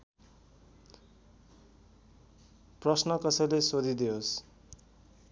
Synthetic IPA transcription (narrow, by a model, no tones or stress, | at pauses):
prʌsnʌkʌsʌjlesod̪ʱid̪iɦos